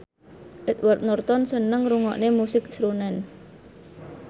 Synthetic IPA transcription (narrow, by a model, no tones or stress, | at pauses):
ʔɪt̪̚wərt̪̚nurt̪ɔnsənəŋruŋɔ̰ʔnemusɪk̚sɾunɛn